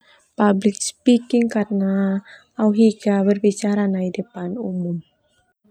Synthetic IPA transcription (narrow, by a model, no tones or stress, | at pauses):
pablɪk̚spikɪŋkarnaː | wɦiɡabərbit͡ʃaɾanaidəpanumʊm